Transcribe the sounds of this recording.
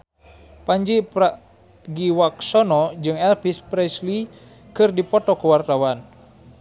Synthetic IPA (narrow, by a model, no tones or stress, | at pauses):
paɲd͡ʒipa | ɡiwaksɔnɔd͡ʒɨŋɛlfispɾɛsli | kɨrdipɔt̪ɔkəwart̪awan